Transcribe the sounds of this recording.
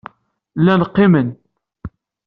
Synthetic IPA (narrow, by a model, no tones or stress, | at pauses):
lːænqːɪmən